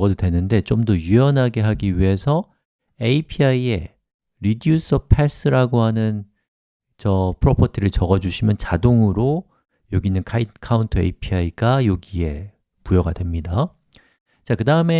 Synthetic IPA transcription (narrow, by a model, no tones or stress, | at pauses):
ɡʌdodwe̞nɯnde̞t͡ɕomdʌjuʌnɦaɡe̞ɦaɡiɥiɦe̞sʰʌ | eipʰiaie̞ | ɾidius͈ʰʌpʰes͈ɯɾaɡoɦanɯn | t͡ɕʌpʰɯɾopʰʌtʰiɾɯɭt͡ɕʌɡʌd͡ʑuɕʰimjʌnt͡ɕadoŋɯɾo | joɡinɯnkʰaitkʰauntʰɯḛipʰiaiɡajoɡie̞ | pujʌɡadwe̞mɲida | t͡ɕakɯdaɯme̞